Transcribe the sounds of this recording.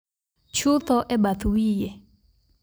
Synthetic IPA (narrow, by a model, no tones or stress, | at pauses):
t͡ʃʰut̪ɔʔɛɓat̪uwijɛ